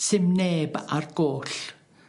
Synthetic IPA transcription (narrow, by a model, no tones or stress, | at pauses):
sɪmneːbarɡ̥oːɬ